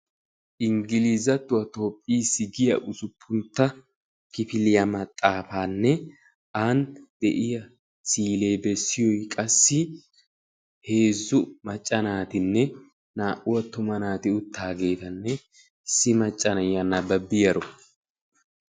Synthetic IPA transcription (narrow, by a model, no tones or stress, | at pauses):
ʔɪŋɡɪlizɐt̪ːʊwɐt̪o̞ːpʼːiːsɪɡɪjɐ̰ʔʊsʊpʰːʊnt̪ːɐ | kɪfɪlɪjɐmɐt̪ʼːaːfaːnːɛ | ʔand̪̥ɛʔɪjɐ | siːle̞ːbɛsːɪjɔjkʼɐsːɪ | he̞ːzːʊmɐt͡ʃʼːɐnaːt̪ɪnːɛ | naːʔʊwɐt̪ʊmɐnaːt̪ɪʊt̪ːaːɡe̞ːt̪ɐnːɛ | ɪsːɪmɐt͡ʃʼːɐnɐjɐnːɐbɐbːɪjɐɾɔ